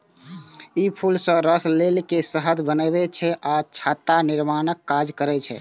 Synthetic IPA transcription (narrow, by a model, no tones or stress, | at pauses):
ipʰulsə̃ɾəslelkesəɦəd̪ʱbənɛbɛt͡ʃʰɛʔat͡ʃʰat̪aniɾmanəkːad͡ʒkəɾɛt͡ʃʰɛ̰